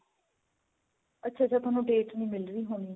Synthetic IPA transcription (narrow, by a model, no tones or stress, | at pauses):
ətːʃʰaːt͡ʃaːt̪aːnũːɖeːʈʋiːmɪlɾiːɦoːniː